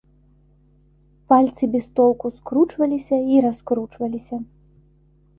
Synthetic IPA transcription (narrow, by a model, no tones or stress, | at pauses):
palʲt̪sɨbʲɛst̪ɔlˠkuskɾut͡ʂvɐlʲisʲɐiɾaskɾut͡ʂvɐlʲisʲɐ